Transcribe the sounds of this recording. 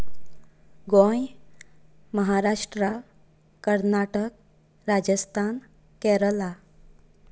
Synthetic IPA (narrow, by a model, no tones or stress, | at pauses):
ɡõj | məɦaɾaʂʈɾaː | əɾnaʈək | ɾad͡ʑəst̪ʰan | kɛɾəla